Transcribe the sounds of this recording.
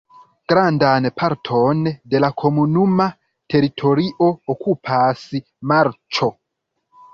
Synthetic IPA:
ɡ̥ɾandanpʰaɾtʰonde̞lakʰomunuma | tʰe̞ɾitʰo̞ɾiʔo̞okʰupʰasi | maɾt͡ʃo̞

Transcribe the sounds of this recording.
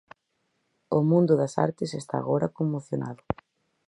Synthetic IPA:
ʊmũnd̪ʊðɐsa̰ɾt̪ɪsest̪a̰ɣoɾɐkomːoθjonaðʊ

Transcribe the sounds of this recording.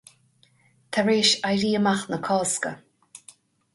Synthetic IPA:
t̪ʰaɹeːʃajɾiːəmaxnəkʰɔːskə̰

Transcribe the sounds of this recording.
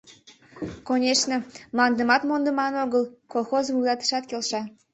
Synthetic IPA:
konʲeʃnəmlˠɑnd̪əmɑt̪mond̪əmɑnoɣəlˠkolˠxozmulˠɑt̪ə̥ʃɑt̪kʲelʃɑ

